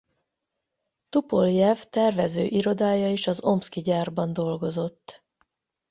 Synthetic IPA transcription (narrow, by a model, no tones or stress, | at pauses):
t̪upo̞ljɛvt̪ɛrvɛzø̰ːʔiɾo̞d̪aːjɒiʃɒzo̞mskiɟaːrbɒnd̪o̞lɡo̞zo̞t̪ː